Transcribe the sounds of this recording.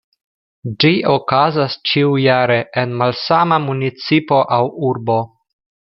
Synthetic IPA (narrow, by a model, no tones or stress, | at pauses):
d͡ʒio̞kazast͡ʃiujaɾe̞ʔenmalsamamunit͡sipo̞ʔawuɾbo̞